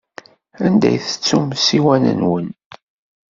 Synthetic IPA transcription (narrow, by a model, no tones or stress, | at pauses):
ænd̪æ̰jθə̥t͡sːumsiwænə̰nwən